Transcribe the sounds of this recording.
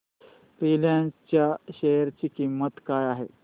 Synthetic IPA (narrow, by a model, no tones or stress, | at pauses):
fɾiljãt͡ɕjaɕejəɾt͡ɕiːkimːət̪kajaɦḛ